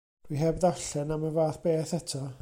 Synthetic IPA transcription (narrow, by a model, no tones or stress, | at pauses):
d̥wiɦɛbðaɬɛnaməvaːθb̥eːθɛtʰɔ